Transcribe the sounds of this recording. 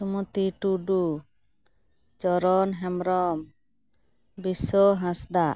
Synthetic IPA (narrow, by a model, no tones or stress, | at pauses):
sumut̪iʈuɖu | t͡ʃɔɾɔnɦɛmɾɔm | bisɔɦãsd̪aʔ